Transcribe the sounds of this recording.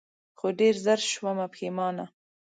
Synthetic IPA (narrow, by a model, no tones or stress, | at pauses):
xoɖeɾzəɾʃwamapxemɑːna